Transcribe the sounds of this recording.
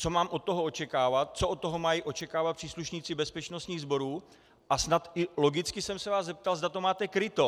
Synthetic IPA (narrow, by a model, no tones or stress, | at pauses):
t͡so̞maːmʔot̪̚t̪ːoɦoo̞t͡ʃɛkaːvat̪̚t͡soʔot̪̚t̪ːo̞ɦo̞majiʔo̞t͡ʃɛkaːvat̪pr̥iːsluʃɲiːt͡sɪbɛspɛt͡ʃnost̪ɲiːɣzbo̞ɾuː | ʔasnat̪ɪlo̞ɡɪt͡skɪsɛmsɛvaːzzɛp̚t̪alzdat̪omaːt̪ɛkɾɪt̪o̞